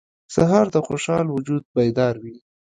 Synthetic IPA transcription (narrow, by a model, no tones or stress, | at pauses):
saɦɑɾd̪əxoʃɑlwʊd͡ʒud̪̚bajd̪ɑɾwi